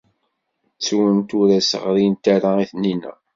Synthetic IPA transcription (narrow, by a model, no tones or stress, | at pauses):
t͡sːuwənt̪ʊɾæsə̰ʁɾint̪aɾaiθninə̰